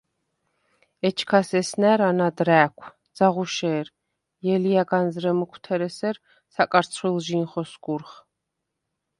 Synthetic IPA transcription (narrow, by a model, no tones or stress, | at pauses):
ɛt͡ʃʰkʰasɛsnɛːɾanad̪ɾæːkʷʰd̪z̥aʁuʃɛːɾ | jɛlijaɡanzɾɛmɔkʰt̪ʰɛɾɛsɛɾ | sakʼaɾt̪sʰχwilˠʒinχɔskʼuɾχ